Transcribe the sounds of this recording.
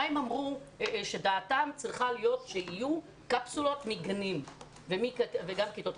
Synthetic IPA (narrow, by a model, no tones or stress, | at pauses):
emamʁuʃe̞daːtamt͡sʁiχalijo̞tʃeiju | kapsulo̞tmiɡanim | vemikveɡamkit̪ot̪